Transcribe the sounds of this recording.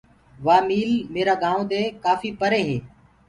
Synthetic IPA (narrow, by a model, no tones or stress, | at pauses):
ʋaːmiːlmeːɾaːɠãːõːd̪eːkaːfiːpəɾeːɦeː